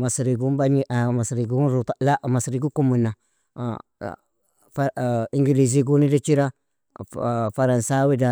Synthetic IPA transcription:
masɾiɡumbaɲiʔmasɾiɡuɾutalaʔmasɾiɡukumuna | fiŋɡiliz̬iɡunidat͡ʃiɾa | faɾansawida

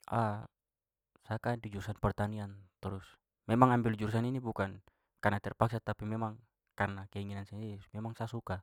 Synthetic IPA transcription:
ʔa | sakadid͡ʒuɾusanpɛrt̪aniant̪ɾʊs | mɛmaŋambild͡ʒuɾus̬aninibukan | karnat̪ɛrpaksat̪apimɛmaŋ | karnakɛiŋinansamɛmaŋsasuka

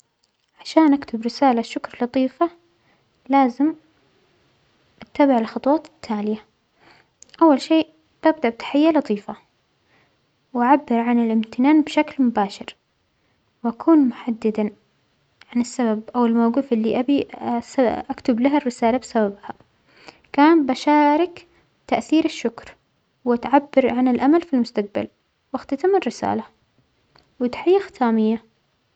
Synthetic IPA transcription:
ʕaʃaːnʔakt̪ʰʊbɾɪsaːlaʃːʊkɾlɑt̪ˤiːfa | laːzɪm | ʔat̪ːabaʕɪlxɑt̪ˤwɑːt̪ɪ̥t̪ʰːaːlɪja | ʔawːalʃeːʔ | ʔ̪ɪb̚d̪aʔbɪt̪ḁħɪjːalɑt̪ˤiːfa | wʔaʕabːɪɾʕanɪlʔɪmt̪ɪnaːnbʃaklmʊbaːʃɪɾ | wʔakʰuːnmʊħad̪ːɪd̪a | ʕanasːababʔawɪlmawɡuːfʔɪlːiʔabisaʔakt̪ʊblaɦarːɪsaːlabsababha | kaːnbaʃaːɾɪk | t̪aʔθiːɾɪʃːʊkɾ | wat̪ʕabːɪɾʕanɪlʔamalfilmʊst̪aq̚ba̰l | waxt̪at̪amɪrːɪsa̰ːla | wɪt̪ħajːaxt̪ʰaːmɪjːa

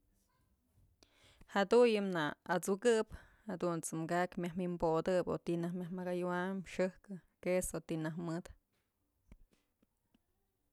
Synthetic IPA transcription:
had̪ujɨmnaat͡sukɨphad̪unt͡sɨmɡakmjahmimbod̪ɨpo̰t̪inahmʲahmaɡajuwamʂɨhkɨkesot̪inahmɨd̪

